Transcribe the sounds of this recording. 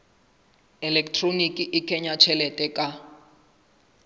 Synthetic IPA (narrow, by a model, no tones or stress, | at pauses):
ɛlɛktʰronikʼiʔikʰɛɲat͡ʃʰɛlɛtʼɛkʼa